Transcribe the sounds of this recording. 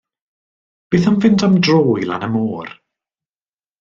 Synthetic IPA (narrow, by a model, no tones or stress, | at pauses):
b̥eːθanvɪntʰamdroːjlˠa̰nəmoːr